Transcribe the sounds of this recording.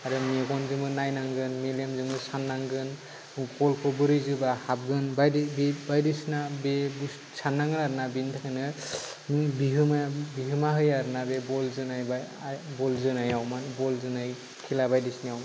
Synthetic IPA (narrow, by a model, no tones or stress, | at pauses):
aɾɯmeɡɔnzɯmɯnajnaŋɡɯnmelemzɯŋɯsanːaŋɡɯn | kɔlkʰɯbɯɾɯjzɯbahab̚ɡɯnbadbbajdisnabeb | sʰanːaŋɡɯnaɾɯnabintʰakʰanɯ | mibiɦɯmabiɦɯmaɦɯjaɾɯnabebɔlzɯnajba | bɔlzɯnajawmabɔlzɯnaj | kʰilabajdisnijaw